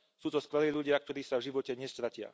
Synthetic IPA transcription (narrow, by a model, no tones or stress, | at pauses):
suːt̪ɔskʋɛliːʎuɟɪak̚t̪ɔɾiːsavʒiʋɔcɛɲɛst̪ɾacɪa̰